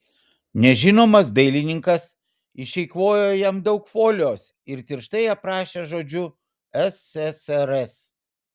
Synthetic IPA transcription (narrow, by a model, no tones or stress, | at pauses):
nʲɛʒʲɪnoːmɐsd̪ɐɪlʲɪnʲɪŋkɐs | ɪʃʲɛɪkʋoːjoːjɛmd̪ɒʊkfoːlʲoːs | ɪɾt̪ʲɪɾʃt̪ɐɪɐpɾɑːʃʲeːʒoːd͡ʒʲʊ | ɛsɛsɛɾɛs